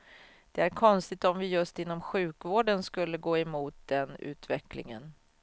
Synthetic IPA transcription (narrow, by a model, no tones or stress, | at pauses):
d̪̥ɛæɾkʰɔnst̪ɪt̪ɔmvɪjɵst̪ɪnːɔmɧʉ̟ːkvoːɖənskɵlːəɡoːɛmuːt̪̚d̪ɛnʉ̟̰ːt̪vɛklɪ̰ŋə̰n